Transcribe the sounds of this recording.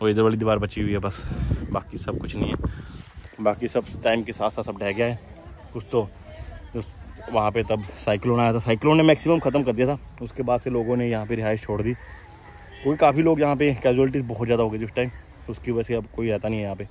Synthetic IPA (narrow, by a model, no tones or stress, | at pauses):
oːɪd̪əɾʋaːlid̪ɪʋaːɾbɐt͡ʃiɦʊiɦɛbɐsbaːkisɐb̚kʊt͡ʃʰnɐɦĩɦɛː | baːkisɐbʈaːɪmkesaːt̪sasɐb̚ɖɛːɡɐjaɦɛː | ʊst̪o | d͡ʒoʋɐɦãpet̪ɐbsaːɪkloːnaːjat̪ʰasaːɪkloːnːemɛːksiməmxɐt̪əmkɐɾd̪ijat̪ʰaː | ʊskebaːd̪seloːɡõnejɐɦãpeɾɪɦaːɪʃt͡ʃʰoːɽd̪iː | t̪õːkikaːfiloːɡjɐɦãp̬ekɛːd͡ʒuɛːlɪʈ̬iːzbɔɦɔt̪zjaːd̪aɦoːɡəid͡ʒʊsʈaːɪm | ʊskiʋɐɛseɐkoːiɛːt̪anɐɦĩɦɛjɐɦãpe